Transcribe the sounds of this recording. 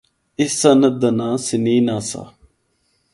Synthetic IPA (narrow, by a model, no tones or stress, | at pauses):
isɐnəd̪ənaːsiniːnasa̰